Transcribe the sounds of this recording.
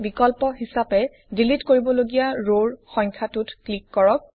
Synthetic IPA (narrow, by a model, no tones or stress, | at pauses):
bikɔlpɔɦisapɛ | dilitkoɹibɔloɡijaɹoɹxɔ̃jŋkʰatutklikːɔɹɔk̚